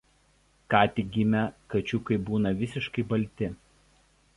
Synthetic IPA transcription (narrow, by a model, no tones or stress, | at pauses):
kɑːt̪ʲɪɡʲɪmʲɛkɐt͡ʃʲʊkɐɪbuːnɐʋʲɪsʲɪʃkɐɪbɐlʲˑt̪ʲɪ